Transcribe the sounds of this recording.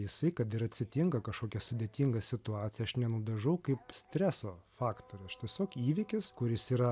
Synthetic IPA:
jɪsɐɪkɐt̪ɪɾɐt̪ʲsʲɪt̪ʲɪŋkɐkɐʃkoːkʲɛsʊd̪ʲeːt̪ʲɪŋɡɐsʲɪt̪ʊɑːt̪t͡sʲɪjɛɐʃnʲɛnʊd̪ɐʒɐʊkɐɪpsʲt̪ʲɾʲæsoːfɑːkt̪oːɾʲɪst̪ʲiɛsʲoːkiːʋʲɪːkʲɪskʊɾʲɪsiːɾɐ

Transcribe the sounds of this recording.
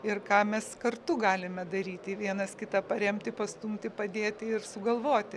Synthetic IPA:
ɪrkɑːmʲɛskɐrt̪ʊɡɑːlʲɪmʲɛd̪ɐɾʲiːt̪ʲɪʋʲiɛnɐskʲɪt̪ɐpɐɾʲɛmʲt̪ʲɪpɐst̪uːmʲkʲt̪ʲɪpɐd̪ʲeːt̪ʲɪɪrsʊɡɐlˠʋoːt̪ʲɪ

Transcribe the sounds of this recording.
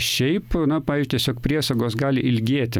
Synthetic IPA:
ʃʲɛɪpnɐpɑːʋʲizd͡ʒʲʊt̪ʲɛsʲoːkpʲɾʲiɛsɐɡoːsɡɑːlʲɪʔɪlʲɡʲeːt̪ʲɪ

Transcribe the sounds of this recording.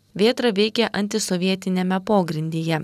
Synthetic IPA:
ʋʲiɛt̪ɾɐʋʲɛɪkʲɛʔɐnʲt̪ʲɪsɔʋʲiɛt̪ʲɪnʲɛmʲɛpoːɡɾʲɪnʲd̪ʲeːjɛ

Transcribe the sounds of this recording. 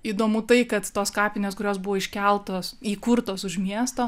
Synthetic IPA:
iːd̪oːmʊt̪ɐɪkɐt̪t̪oːskɑːpʲɪnʲeːskʊɾʲoːsbʊʋoːɪʃʲkʲɛlˠt̪oːsiːkʊɾt̪oːsʊʃmʲiɛst̪oː

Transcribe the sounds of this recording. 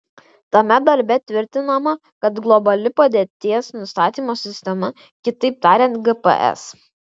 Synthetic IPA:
t̪ɐmʲɛd̪ɐɾʲbʲɛt̪ʲʋʲɪɾʲt̪ʲɪnɐmɐ | kɐt̪ɡlˠɔbɐlʲɪpɐd̪ʲeːt̪ʲiɛsnʊst̪ɑːt̪ʲiːmoːsʲɪsʲt̪ʲɛmɐ | kʲɪt̪ɐɪp̚t̪ɑːɾʲɛnt̪ɡɛpɛ̰ʔɛ̰s

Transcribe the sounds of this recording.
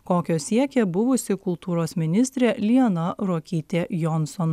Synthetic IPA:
koːkʲoːsʲiɛkʲeːbʊʋʊsʲɪkʊlˠt̪uːɾoːsmʲɪnʲɪsʲt̪ʲɾʲelʲinɐɾoːkʲiːt̪ʲeːjɔnsɔn

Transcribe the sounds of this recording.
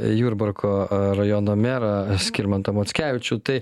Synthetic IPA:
juːɾbɐɾkʰoːɾɐjoːnoːmʲeːɾɐsʲkʲiɾmɐnt̪ɐmoːtsʲkʲæːʋʲɪt͡ʃʲuːt̪ɐɪ

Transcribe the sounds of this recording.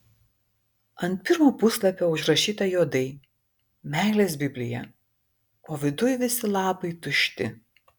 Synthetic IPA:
ɐnt̪̚pʲɪɾmuːpʊslˠɐpʲoːʊʒɾɐʃʲiːt̪ɐjoːd̪ɐɪ | mʲæˑɪlʲeːsbʲɪbʲlʲɪjɛ̰ | oːʋʲɪd̪ʊjʋʲɪsʲɪlˠɑːpɐɪt̪ʊʃʲt̪ʲɪ̰

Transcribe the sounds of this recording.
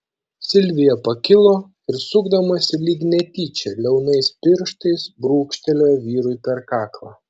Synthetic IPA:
sʲɪlʲʋʲɪjɛpɐkʲɪlˠoː | ɪɾsʊɡd̪ɐmɐsʲɪlʲiːɡʲnʲɛt̪ʲiːt͡ʃʲɛlʲɛʊnɐɪspʲɪɾʃt̪ɐɪsbɾuːkʃʲt̪ʲɛlʲoːjʋʲiːɾʊɪpʲɛɾkɑːklˠɑː

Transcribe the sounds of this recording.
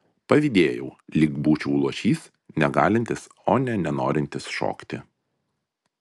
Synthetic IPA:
pɐʋʲɪd̪ʲeːjɛʊlʲiːɡbuːt͡ʃʲuːlˠuɔʃʲiːs | nʲɛɡɑːlʲɪnʲt̪ʲɪs | oːnʲɛnʲɛnoːɾʲɪnʲt̪ʲɪsʃo̰ːkt̪ʲɪ

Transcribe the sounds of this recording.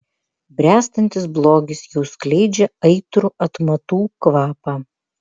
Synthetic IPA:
bʲɾʲæːst̪ɐnʲt̪ʲɪs̬blˠoːɡʲɪsjɛʊsklʲɛɪd͡ʒʲɛɐɪt̪ɾʊʔɐt̪mɐt̪uːkʋɑːpɑː

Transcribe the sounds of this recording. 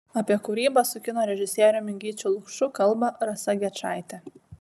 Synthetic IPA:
ɐpʲiɛkʊɾʲiːbɐsʊkʲɪnoːɾʲɛʒʲɪsʲiːɾʲomʲɪŋʲɡʲiːt͡ʃʲuːlˠʊkʃʊkɐlˠˑbɐɾɐsɐɡʲɛt͡ʃɑˑɪt̪ʲɛ

